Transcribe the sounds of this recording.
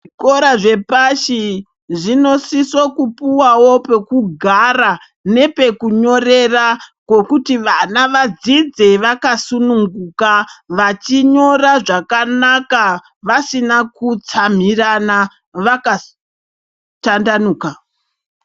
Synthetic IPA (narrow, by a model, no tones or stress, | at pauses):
ʐikoɾaʐe̞paʃi | ʐino̞sisokupuwawope̞kuɡʱara | ne̞pe̞kuɲo̞re̞rakwo̞kutiʋanaʋad͡zid͡ze̞ʋakasunuŋɡuːkaʋat͡ʃiɲo̞raʐakanaka | ʋasinakut͡sam̤irana | ʋaka | tandanuːka